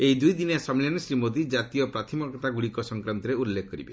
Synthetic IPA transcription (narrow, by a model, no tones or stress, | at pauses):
eid̪ujd̪inesamiljansɾimod̪id͡ʒat̪ijɔpɾat̪ʰimɔkɔt̪aɡuɽikɔsɔŋkɾant̪ɔɾeulːekʰɔkɔɾibe